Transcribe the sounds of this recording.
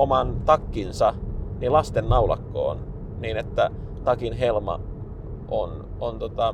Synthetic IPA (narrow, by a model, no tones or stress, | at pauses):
omɑnt̪ɑkːinsɑnilɑst̪enːɑulɑ̰kːo̰ːn | niːnet̪ːæ | t̪ɑkinɦelmɑ̰ | ʔon | ont̪ot̪ɑ